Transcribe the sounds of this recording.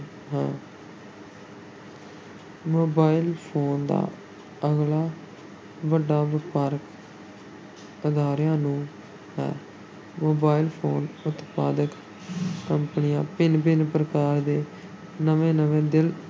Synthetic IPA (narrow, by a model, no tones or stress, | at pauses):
ɦɛ̃ː | moːbaːiɪlpʰoːnd̪a̰ː | əɡlaː | ʋəɖaːʋɪpəɾk | ʊd̪aːɾjãːnũː | ɦɛ̰ː | moːbaːɪlpʰoːnʊt̪pa̰ːd̪əkː | əmpnijãːpɪnbɪnpɾəkaːɾd̪eː | nəʋẽːnəʋẽːd̪ɪl